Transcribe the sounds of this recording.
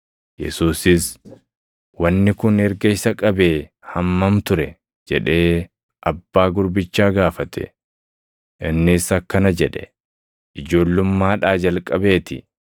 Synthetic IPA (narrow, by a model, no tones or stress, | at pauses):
jɛ̰suːsɪs | wɐnːɪkʊnɛɾɡɐɪsɐkʼɐbeː | hɐmːɐmt̪ʊɾɛ | d͡ʒɛᶑe̞ː | ʔɐbːaːɡʊɾbɪt͡ʃːaːɡaːfɐt̪ʰɛ̰ | ʔɪnːɪsɐkːɐnɐd͡ʒɛᶑɛ̰ | ʔɪd͡ʒo̞ːlːʊmːaːᶑaːd͡ʒɐlkʼɐbe̞ːt̪ɪ̰